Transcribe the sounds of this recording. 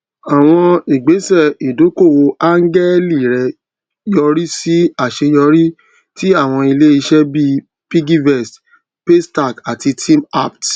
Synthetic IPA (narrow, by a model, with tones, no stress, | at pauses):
a˨w̃ɔ̃˧i˨ɡ͡be˨˦sɛ˦˨i˨do˨˦ko˦˨wo˧ʔa˦ŋ˦ɡɛ˦li˦˨ɾɛ˧ | jɔ˧ɾi˦si˦a˦˨ʃe˧jɔ˧ɾi˦ | ti˦a˦˨w̃ɔ̃˧i˧le˦i˧ʃɛ˦bi˦ | pi˦ɡi˦vɛ˦˨s | pe˦sta˦˨ka˨ti˧tʰĩ˦ma˦˨p̚t